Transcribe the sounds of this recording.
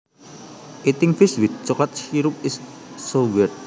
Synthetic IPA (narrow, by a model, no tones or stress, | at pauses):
ʔit̪ɪŋfɪswɪd̪̚t͡ʃɔklat̪̚ʃiɾup̚ɪsːowɛr